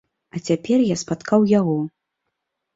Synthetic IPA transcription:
ɐt͡sʲapʲɛrjaspat̪kawjaɣɔ

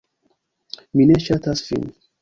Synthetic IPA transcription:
minɛʃat̪asfḭ̃n

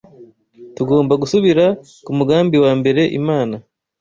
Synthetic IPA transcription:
tuɡo̞ːmbaɡusuβiɾa | kumuɡaːmbiwaːmbe̞ɾe̞ʔḭmaːna

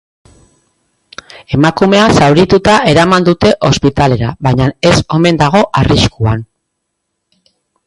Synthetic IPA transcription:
e̞makume̞asawɾit̪ut̪aʔe̞ɾamand̪ut̪e̞ʔo̞spit̪ale̞ɾaβajɲane̞so̞me̞nd̪aɣ̞o̞ʔariskuan

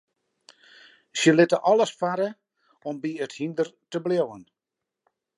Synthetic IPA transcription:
sjəlɪtəʔɔləsfaɾə | ɔmbiəthindərtəbljowən

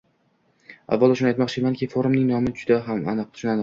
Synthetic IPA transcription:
a̰vːɒlˠʊʃʊnajt̪mɒqt͡ʃʰɪmankʲɪfoɾʊmnɪŋnɒmɪd͡ʒʊd̪aɦama̰nɨqʰːʊ̥t͡ʃʰʊnanɨq

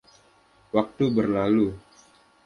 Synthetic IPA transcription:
wak̚t̪ubərlalu

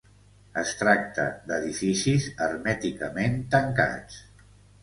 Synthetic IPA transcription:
əst̪ɾak̚t̪ə̰d̪əðifisizəɾmɛt̪ikəment̪əŋka̰t͡s

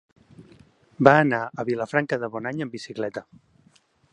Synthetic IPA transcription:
baənaəβiləfɾaŋkəðəβɔnaɲəmbisiklɛt̪ə

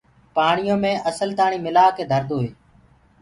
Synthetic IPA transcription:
paːɳɪjõːmẽːʔəsəlt̪aːɳiːmɪlaːkeːd̪ʱəɾd̪oːɦeː

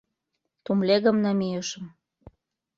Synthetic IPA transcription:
t̪umleɣə̆mnɑmijəʃə̆m

